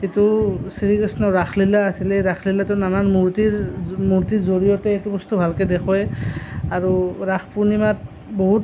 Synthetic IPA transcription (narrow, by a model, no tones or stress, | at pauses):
itusiɹikɹisnɔɹaxʰlilaːsilɛɹaxʰlilatɛnanaɹmuɹtiɹmuɹtizoɹijɔtɛetubɔstubʱalkedɛkʰɔɛaɹuɹaxpuɹnimat | boɦut